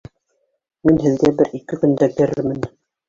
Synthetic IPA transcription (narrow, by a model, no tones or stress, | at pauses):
minɦɘ̆ðɡæbɘɾikɘkɵ̆nd̪ækɘ̆ɾɘɾmɘn